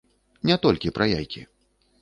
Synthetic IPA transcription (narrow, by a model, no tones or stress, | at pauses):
nʲɛt̪ɔlʲkʲipɾajajkʲḭ